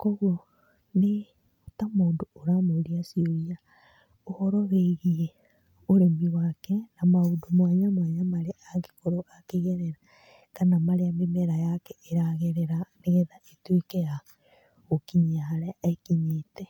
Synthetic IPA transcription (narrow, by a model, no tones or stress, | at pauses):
kɔɣwo | ne | otamoːndooɾamoɾiasioɾia | ohɔɾɔβeɣiɛ | oɾemiwakɛnamaudomwaɲamwaɲamaɾeaɡekoɾoʔakeɣɛɾɛɾa | kanamaɾeamemɛɾajakɛeɾaɣeɾɛɾaneɣɛðaʔetwekɛja | ɣokiɲiaɦaɾɛaekiɲeːtɛ